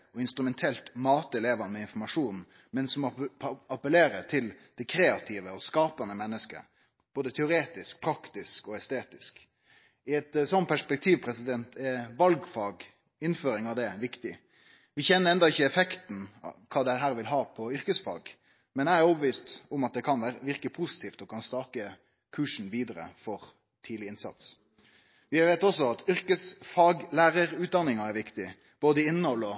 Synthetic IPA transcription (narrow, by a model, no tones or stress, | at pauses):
ɔɪnst̪ɾʉmɛnt̪ʰɛlt̪mɑːt̪ɛleːʋənəmɛɪnfɔɾmɑʂuːn | mɛnsɔmɑpəleːɾəɾt̪ʰɪld̪̥ɛkʰɾeːɑt̪ʰiːʋəɔskɑːpɑnəmɛnːəskə̰ | b̥oːd̪ət̪ʰɛʊɾeːt̪ɪsk̚pʰɾɑkt̪ɪskɔɛst̪eːt̪ɪsk | ɪɛt̪sɔnt̪̚pʰæʂpɛk̚t̪ʰiːʋpʰɾɛsɪd̪ɛnt̪ʰɛʋɑlɡfɑːɡ | ɪnføːɾɪŋɑʋd̪ɛʋɪkt̪ɪ | ʋɪçɛnːəɾɛnd̪ɑɪçːəɛfɛkt̪n̩̰kʰɑːd̪ɛɦæːɾʋɪlɦɑːpʰɔʏɾkəsfɑ̰ːɡ | mɛnæɪæɾɔːbəʋiːst̪ʊmɑt̪̚d̪ɛkʰɑnʋæːɾəʋɪʁkəpʰusɪ̥t̪ʰiːft̪ɔkʰɑnst̪ɑːkə | kʰʉːʂn̩ʋiːd̪əɾə̰fɔɾ | t̪ʰiːd̪lɪɪnsɑ̰t̪s | ʋɪʋeːt̪ɔsːɔɑt̪ʏɾkəsfɑːɡlæːɾəɾʉːt̪̚d̪ɑnːɪŋɑɛɾʋɪkt̪ɪ | b̥oːd̪əɪnːəhɔlːɔ